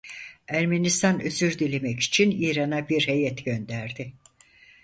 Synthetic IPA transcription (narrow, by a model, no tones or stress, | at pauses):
æɾmenist̪ʰanøzyɾd̪ilʲemɛci̥t͡ʃʰiniːɾanabiɾhe̞jɛt̪ɟø̞nd̪æɾd̪ɪ